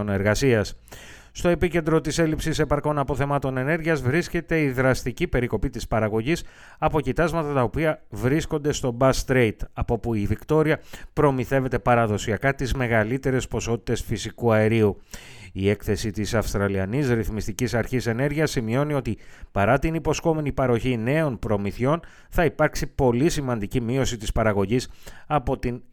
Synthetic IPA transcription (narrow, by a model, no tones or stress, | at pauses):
ne̞ɾɣɐsiɐs | st̪o̞e̞pice̞nd̪ɾo̞t̪ise̞lipsise̞pɐɾko̞nɐpo̞θe̞mɐt̪o̞ne̞ne̞ɾʝiɐzvɾisce̞t̪e̞iðɾɐst̪icipe̞ɾiko̞pit̪ispɐɾɐɣo̞ʝis | ɐpo̞cit̪ɐzmɐt̪ɐt̪ɐo̞piɐvɾisko̞nd̪e̞st̪o̞bɐst̪ɾejt̪ɐpo̞puivikt̪o̞ɾiɐpɾo̞miθe̞ve̞t̪e̞pɐɾɐðo̞siɐkɐt̪izme̞ɣɐlit̪e̞ɾe̞spo̞so̞t̪i̥t̪e̞sfisikuɐe̞ɾiuie̞kθe̞sit̪isɐfst̪ɾɐliɐnisɾiθmist̪icisɐɾçise̞ne̞ɾʝiɐsːimio̞nio̞t̪ipɐɾɐt̪inipo̞sko̞me̞nipɐɾo̞çine̞o̞npɾo̞miθo̞n | θɐipɐɾksipo̞lisimɐnd̪icimio̞sit̪ispɐɾɐɣo̞ʝisɐpo̞t̪in